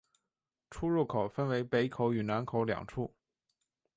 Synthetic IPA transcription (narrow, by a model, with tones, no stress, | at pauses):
ʈ͡ʂʰu˥ɻu˥˩kʰo˨˩ʊfə˥nwe˧˥ɪpe˧˥ɪkʰo˨˧˥ʊy˨˩na˧˥nkʰo˨˧˥ʊljɑ̰˨˩ŋʈ͡ʂʰu˥˩